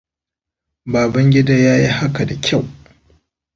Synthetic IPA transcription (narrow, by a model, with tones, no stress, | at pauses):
baː˨bɐ˦ŋɡʲɪ˦daː˦jaː˦ji˦ha˦ka˨da˨kʲʰa˦˨w